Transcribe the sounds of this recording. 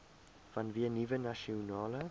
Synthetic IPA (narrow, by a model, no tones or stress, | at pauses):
v̥anviɐnivənaʃiunɑːlə